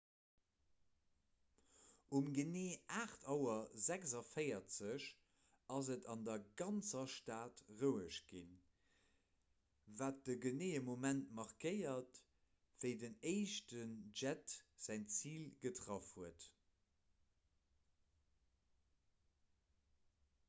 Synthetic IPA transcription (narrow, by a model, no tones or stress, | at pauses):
ʔumɡəneːaːχtʰɑʊɐzækzɑfəɪɐt͡səʃ | ɑzətɑndɐɡɑnt͡sɐʃtaːtʁəʊəʃɡ̥in | vaːt̚dəɡəneːəmomæntmɑʁkəɪɐt | v̥əɪdəneɪʃtənʒætz̥æɪnt͡siːlɡətʁɑfhuət